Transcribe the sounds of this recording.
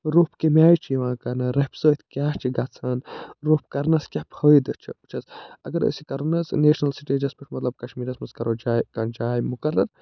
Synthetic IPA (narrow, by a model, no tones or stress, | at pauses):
ɾoːpkemjaːjt͡ʃʰijɐʋãːkɐnɐɾɐpsoːt̪ʰkʲaːt͡ʃʰiɡɐt͡sʰɐnɾoːp̚kɐɾnɐskʲaːpʰojd̪ɨt͡ʃʰɐ̰ut͡ʃʰɐsɐ̰ɡɐɾɐ̰sikɐɾonɐsneːʃnɐlsiʈeːd͡ʒɐspɐʈʰmɐt̪lɐb̚kɐʃmiːɾɐsmɐskɐɾoːd͡ʒaːjkɐnd͡ʒaːjmukɐɾɐɾ